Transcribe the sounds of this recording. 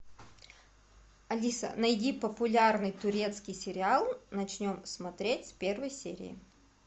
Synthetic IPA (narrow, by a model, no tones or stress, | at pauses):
ɐlʲisə̰nɐjdʲipəpʊlʲarnɨjt̪ʊɾʲe̞t̪skʲɪjsʲɪɾʲɪalˠnɐt͡ɕnʲo̞msmɐt̪ɾʲetʲsʲpʲervəjsʲḛɾʲɪ̰ɪ̰